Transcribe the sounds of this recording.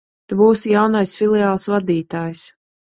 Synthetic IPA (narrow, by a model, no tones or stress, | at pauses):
t̪ɛbuːsjawnajsfʲilˠɛaːlˠsvad̪iːt̪aːjs